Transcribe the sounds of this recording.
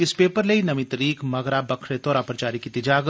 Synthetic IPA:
ɪspeːpəɾleinɐmĩt̪ɾiːkmɐɡɾabɐkʰɽet̪oːɾaːpəɾt͡ʃaːɾikit̪ɪd͡ʒaːɡ

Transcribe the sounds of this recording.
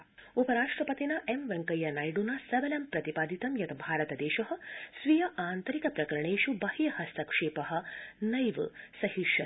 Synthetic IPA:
upɐɾaːʂʈɾɐpɐt̪inɐʔemʋeŋkɐjɐnajɖunɐsɐʋɐlɐmpɾɐt̪ipaːd̪it̪ɐmjɐt̪ʰɐbʱaːɾɐt̪ɐd̪eːʃɐɦɐsʋijɐʔaːnt̪ɐɾikɐpɾɐkɐɾɐɳeːʃubɐhijɐhɐsɐkʂeːpɐɦɐ̆nɐjʋɨsɐɦiʂɐ

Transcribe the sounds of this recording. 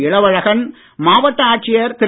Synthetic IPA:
ɪɭɐʋɐɻɐɣɐn | maːʋɐʈːɐaːʈ̚t͡ʃɪjɐɾt̪ɪɾ

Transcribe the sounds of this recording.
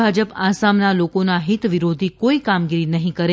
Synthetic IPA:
ad͡ʒəpasamnalokonaɦit̪ʋiɾod̪ʱikoikamɡiɾinəɦĩkəɾe

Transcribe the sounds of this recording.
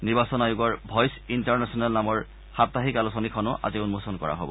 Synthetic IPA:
niɹbasɔnajʊɡɔɹbʱɔjsintaɹnɛsɔnalnamɔɹ | xap̚t̪aɦikalusɔnikʰɔnʊʔa̰ziunmosɔnkɔ̰ɹa̰ɦobɔ̰

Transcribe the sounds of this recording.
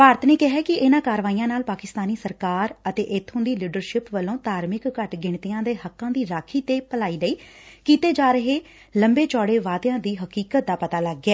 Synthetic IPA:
paːɾət̪neːkɪɦɛːkɪʔɪnãːkaːɾʋaːiːãːnaːlpaːkɪst̪aːniːsəɾkaːɾət̪ḛːʔɪt̪ʰːʊ̃nd̪iːliːɖəɾʃɪpʋəlõːt̪aːɾmɪkːəʈɡɪɳ̃t̪ijãːd̪eːɦəkːãːd̪iːɾaːkʰiːt̪eːpəlaːiːɡəiːkiːt̪eːd͡ʒaːɾəɦeː | ləmbeːt͡ʃɔːɽeːʋaːt̪jãːd̪iːɦəkiːkət̪̚d̪aːpət̪aːləɡːɛː

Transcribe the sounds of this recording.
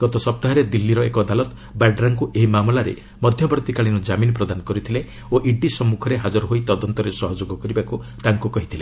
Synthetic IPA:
ɡ̥ɔt̪ɔsɔp̚t̪aɦaɾed̪ilːiɾɔekɔd̪alɔt̪ | baɖɾaŋkuʔeɦimamlaɾḛ | mɔd̪ʱjɔbɔɾt̪ikaɭinɔd͡ʒaminɔpɾɔd̪anɔkɔɾit̪ʰile | oʔiɖisɔmːukʰɔɾeɦad͡ʒɔɾɔɦoit̪ɔd̪ɔnt̪ɔɾesɔɦɔd͡ʒoɡɔkɔɾibakut̪aŋkukɔɦit̪ʰile

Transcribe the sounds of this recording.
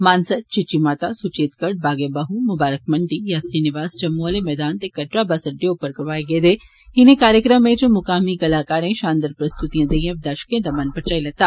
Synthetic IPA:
maːnsət̪̚t͡ʃɪt͡ʃimaːt̪asʊt͡ʃeːt̪kɐɖ̚baːɡebɐɦumʊbaːɾək̚mɐɳɖijaːt̪ɾinɪʋaːzt͡ʃɐmːuəlemɛːd̪aːnt̪ekɐʈɾabasəɖeupəɾkɐɾʋaːeɡed̪eː | ɦɪnẽkaːɾjəkɾəmːẽt͡ʃomʊkaːmikɐlaːkaːɾẽʃaːnd̪əɾpɾɐst̪ut̪ijãːd̪ejẽd̪ɐɾʃkẽt̪amɐnpɐɾt͡ʃaːilɐt̪aː

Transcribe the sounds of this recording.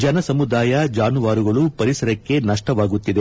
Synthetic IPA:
d͡ʒɐnɐsɐmud̪aːjɐd͡ʒaːnuʋaːɾuɡɐɭupɐɾisɐɾɐkːe̞nɐʂʈɐʋaːɡut̪ːid̪e̞

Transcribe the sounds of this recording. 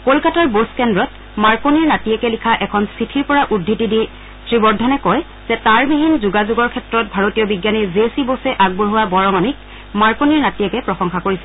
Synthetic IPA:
kolkataɹboskɛndɹɔt | maɹkoniɹnatiɛkɛlikʰaʔɛkʰɔnsitʰiɹpɔɹaʔudʱːitidi | tɹibɔɹdʱːɔnɛkɔj | zɛtaɹbiɦinzuɡazuɡɔɹkʰɛtɹɔt̚bʱaɹotijɔbiɡjanizesibosɛʔaɡ̚boɹɦuwabɔɹɔŋɔnik̚ | maɹkoniɹnatiɛkɛpɹɔsɔŋxakoɹisɛ

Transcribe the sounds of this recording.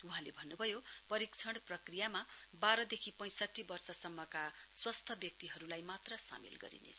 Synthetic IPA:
uɦãlebʱʌnːubʱʌjopʌɾik̚t͡sʰʌɽ̃prʌkrijama | baɾʌd̪ekʰipʌ̃j̃sʌʈʰːibʌrsʌsʌmːʌka | swast̪ʰʌbjʌk̚t̪iɦʌɾulajmat̪rʌsa̰mḭlɡʌ̰ɾḭnḛt͡sʰʌ

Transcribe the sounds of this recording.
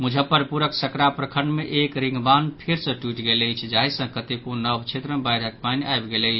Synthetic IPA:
mud͡ʒʱəpːəɾpuɾəksəkɽapɾəkʰəɳɖmeʔekɾĩŋɡbanpʰeɾsə̃ʈuiʈɡeləjt͡ʃʰd͡ʒaɦisə̃kət̪ipuɾnəbʱt͡ʃʰet̪ɾəmebajɾʱək̚panajbɡeləɪt͡ʃʰ

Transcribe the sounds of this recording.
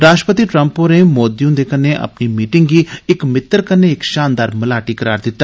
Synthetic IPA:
ɾaːʃʈəpət̪iːʈɾəmpõneːmoːd̪ijũːd̪eːkəneːʔə̰pniːmiːʈɪŋɡɡiːɪkmɪt̪ːəɾkəneːɪkʃaːnd̪aːɾməlaːʈiːkəɾaːɾd̪ɪt̪ːa

